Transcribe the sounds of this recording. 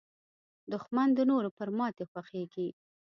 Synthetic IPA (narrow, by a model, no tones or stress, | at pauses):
d̪ʊxmand̪ənoɾopəɾmɑt̪exwaxeɡi